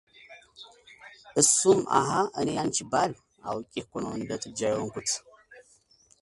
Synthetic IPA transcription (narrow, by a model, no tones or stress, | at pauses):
ʔɨsuma̰ɦaʔənijant͡ʃibal | a̰wkʲʼikʷɔnond̪ɐtʼɨd͡ʒajokʷʊt͡sʰ